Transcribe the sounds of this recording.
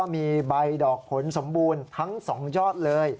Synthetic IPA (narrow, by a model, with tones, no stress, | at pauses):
miː˧ba˧jdɔː˨˩k̚hʰo˩˦nso˩˦mbuː˧nt̪ʰa˦˥ŋsɔː˩˦ŋjɔː˥˩t̪̚lɤː˧j